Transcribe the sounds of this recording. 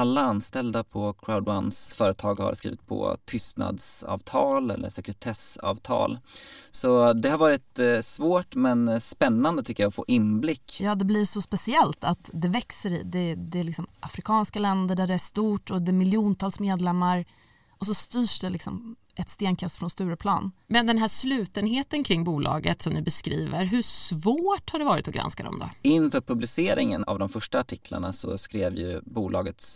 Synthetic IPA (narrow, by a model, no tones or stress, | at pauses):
alːaanst̪ɛld̪apʰɔkʰɾaʊd̪wansfœːɾət̪ʰɑːɡha̰ɾskɾḭːvɪ̰t̪̚pʰɔ̰t̪ʰʏst̪na̰d̪sɑ̰ːvt̪ʰɑːlɛ̰lːʔə̰ʂɛkɾɛt̪ʰɛsɑ̰ːvt̪ʰɑ̰ːlsɔd̪ɛhaɾvɑːɾɪt̪svoːʈmɛnspɛnːand̪ət̪ʰʏkːəjaɔfo̰ːʔɪnblɪkːjɑːd̪ɛblɪʂɔspɛsɪɛlt̪at̪d̪ɛvɛksəɾɪ̰d̪ɛd̪ɛæɭɪksɔmʔa̰fɾɪkʰɑːnskalɛnd̪əɖæɖɛæʂt̪uːʈɔd̪ɛmɪljuːnt̪ʰɑːlsmeːd̪lɛmːaɾ | ɔs̬ɔst̪yːʂd̪ɛlɪksɔ̰m | ʔɛt̪st̪eːnkʰast̪fɾɔnst̪ʉ̟ːɾəpʰlɑ̰ːnmɛnd̪ɛnɦæːʂlʉ̟ːt̪ənɦeːt̪ənkʰɾɪŋːbuːlʔɑ̰ːɡət̪sɔmnɪbɛskɾiːvəɾɦɵsvoːʈhaɖɛvɑːɾɪ̰t̪ɔɡɾa̰nskad̪ɔ̰md̪ɔ̰ɪnfœpʰɵblɪseːɾɪŋəna̰vd̪ɔmfœʂʈaːʈʰɪkʰla̰ɳasɔ̰skɾeːvjɵ̰buːlɑːɡət̪s